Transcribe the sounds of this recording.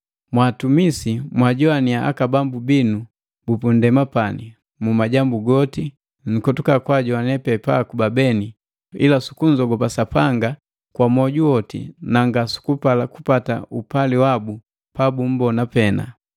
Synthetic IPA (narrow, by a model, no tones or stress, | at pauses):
mwaːtumisimwaɟɔaniaʔa̰kabambubinu | bupundɛmapani | mumaɟambuɡɔti | ŋ̩kɔtukakwaɟɔanɛpɛpaːkubabɛni | ilasu̥kuɲd͡ʒɔɡɔpasapaŋɡa | kwamɔɟuɔtḭnaŋɡasu̥kupalaku̥pata̰upaliwabu | pabum̩bɔnapɛna̰